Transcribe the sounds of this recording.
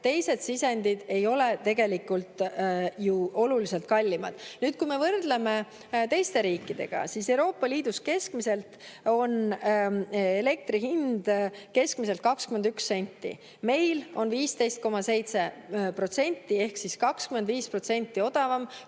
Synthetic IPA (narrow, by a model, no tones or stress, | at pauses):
t̪e̞jse̞d̪̥sisend̪̥id̪̥e̞jo̞le̞t̪e̞ɡe̞likːult̪ˑjuo̞lulise̞lt̪̚kɑlʲːimɑ̰d̪̥nyːd̪̥̚kujme̞vɤrd̪̥leme̞ | t̪e̞jst̪e̞ɾiːkːˑid̪̥e̞̰ɡ̥ɑ̰sise̞wɾo̞ːpːˑɑliːd̪̥uske̞skmise̞lt̪o̞n | ele̞k̚t̪ɾiɦind̪̥ke̞skmise̞lt̪̚kɑkskymed̪yksːe̞nʲt̪ːḭ | me̞jlo̞nviːst̪e̞jst̪̚ko̞mɑse̞jt̪se̞ | pro̞t̪se̞nʲt̪ːˑie̞hksiskɑkskyme̞nd̪viːspro̞t̪se̞nʲt̪ːˑio̞d̪̥ɑvɑm